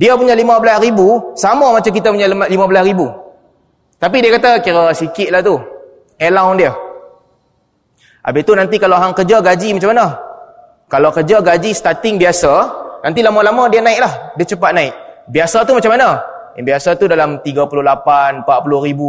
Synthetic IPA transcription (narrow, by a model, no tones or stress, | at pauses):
diəpuɲalimãbəlasɾibusamamat͡ʃamk̬it̪apuɲamlimabəlasɾibu | t̪ap̬idiəkat̪akiɾasikɪt̪̚laht̪u | ɛlawndiə | ʔa̰bɪt̪unant̪̬ikalawɦaŋkərd͡ʒaɡad͡ʒimat͡ʃamːana | kalawkəd͡ʒaɡad͡ʒist̪at̪ɪŋbiasanãnt̪̬ilamalamãdianãɪk̚lahdiat͡ʃəpat̪̚naɪk̚biasat̪umat͡ʃamːana | jabiasat̪udalamt̪iɡapulʊhlapanmpaʔ̚pulʊhɾibu